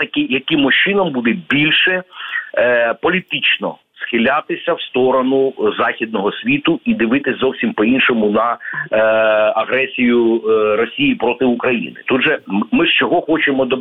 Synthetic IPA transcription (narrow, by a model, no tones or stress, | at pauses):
t̪ɐkɪjɐkɪmːɔʃt͡ʃɪnɐmbud̪ɛbʲilʲʃɛ | pɔlʲit̪ɪt͡ʃnɔ̰ | sxɪlʲat̪ɪsʲɐwst̪ɔɾɔnʊzɑxʲid̪̚nɔɦɔsʲʋʲit̪ʊid̪ɪʋɪt̪ɪsʲzɔwsʲimpɔinʃɔmʊnɐ | ɐɦɾɛsʲijʊɾɔsʲijipɾɔt̪ɪukɾɐjḭnɪ̰t̪ud̪ʒɛmɪʃt͡ʃɔɦɔxɔt͡ʃemɔd̪ɔ